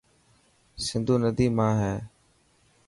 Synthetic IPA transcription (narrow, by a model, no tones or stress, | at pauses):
sɪnd̪ʱuːnəd̪iːmãːɦɛː